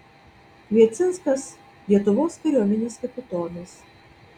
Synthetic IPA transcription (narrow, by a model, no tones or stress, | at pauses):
ʋʲiɛt̪sʲɪnskɐs | lʲiɛt̪ʊʋoːskɐɾʲoːmʲɪnʲeskɐpʲɪt̪oːnɐs